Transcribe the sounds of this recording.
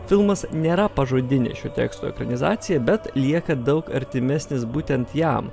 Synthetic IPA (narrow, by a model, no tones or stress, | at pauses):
fʲɪlˠmɐsnʲeːɾɐpɐʒoːd̪ʲɪnʲɪ̰ʃʲut̪ʲɛ̰ːkst̪oɛ̰kɾɐnʲɪzɑːt̪sʲɪjɛbʲɛt̪lʲiɛkɐd̪ɐʊkɐ̰ɾʲt̪ʲɪmʲɛsʲnʲɪsbuːt̪ʲɛnt̪jɛ̰m